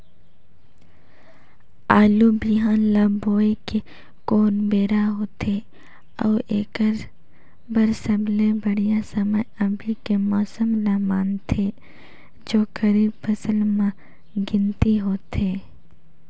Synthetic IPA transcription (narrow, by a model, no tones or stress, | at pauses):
aːlubiɦaːnlãboːike | koːnbeːɾaɦoːt̪ʰe | ɔːeːkəɾ | bəɾsəblebəɽijasəməjəbʱikemɔːsəmnamaːnt̪ʰe | d͡ʒoːkəɾiːbpʰəsəlmã | ɡɪ̃nt̪iɦoːt̪eː